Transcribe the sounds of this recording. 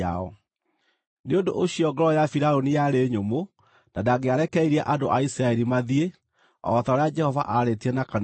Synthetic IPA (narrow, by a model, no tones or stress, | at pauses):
a̰ɔ̰ | neondoʔoɕiɔɡɔɾɔjafiɾaonijaɾeːɲomo | n̥adaɣeaɾɛkɛiɾiaʔadoʔaisiɾaɛɾimaðie | ɔ̰ɔtaɔɾead͡ʒɛhɔva̰ʔaɾetiɛnakan